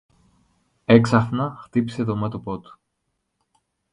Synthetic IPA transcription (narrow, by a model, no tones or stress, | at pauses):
e̞ksɐfnɐxt̪ipi̥se̞t̪omɐt̪opot̪u̥